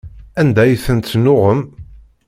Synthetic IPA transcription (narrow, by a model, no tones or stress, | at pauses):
ænd̪æjθənt̪ːnʊʁəm